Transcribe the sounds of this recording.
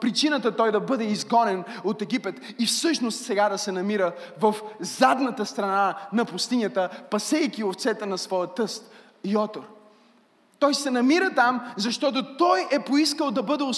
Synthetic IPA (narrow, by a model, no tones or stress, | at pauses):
pɾit͡ʃinət̪ət̪ɔjd̪ɐbɤd̪ɛizɡɔnɛnot̪ɛɡ̟ipɛt̪ifsɤʃnost̪sɛɡad̪ɐsɛnɐmiɾəvɐfzad̪nət̪əst̪ɾɐnanɐpʊst̪inʲjət̪əpɐsɛikʲioft̪sɛt̪ɛnɐsvɔjət̪ɤst̪ | iɔt̪oɾ | t̪ɔjsɛnɐmiɾət̪amzɐʃt̪ɔt̪ot̪ɔjɛpoiskəlˠd̪ɐbɤd̪ɛo